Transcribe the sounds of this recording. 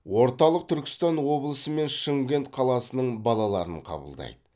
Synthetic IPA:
wo̞ɾt̪ɑlˠəq̚t̪ʰʏɾkʲɪ̥st̪ɑnwo̞blˠəsəme̞nʃəŋɡʲe̞nt̪qʰɑlˠɑsənəɴbɑlˠɑlˠɑɾəɴqʰɑ̰bə̰lˠd̪ɑ̰jd̪ə

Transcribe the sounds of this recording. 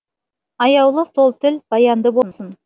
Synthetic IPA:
ɑjɑwlˠəso̞lˠt̪ʰɪlb̥ɑjɑnd̪əbonsən

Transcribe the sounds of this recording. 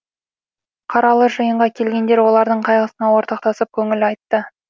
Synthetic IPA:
qʰɑɾɑlˠəʒəjəɴʁɑkʲʰe̞lɡʲe̞nd̪e̞ɾwo̞lˠɑɾd̪əɴqʰɑjʁəsənɑwo̞ɾt̪ɑq̚t̪ɑsəp̚kʲʰɵŋɪlɑjt̪ːə

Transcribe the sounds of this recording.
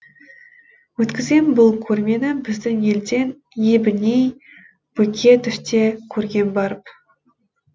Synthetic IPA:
wɵt̪kʲɪzɡʲenbʊlˠkʲʰɵɾme̞nɪbɪzd̪ɪŋe̞ld̪e̞n | jebɪnej | b̥ɵkʲʰe̞t̪ʰʏst̪e̞kʲʰɵɾɡʲe̞nbɑɾəp

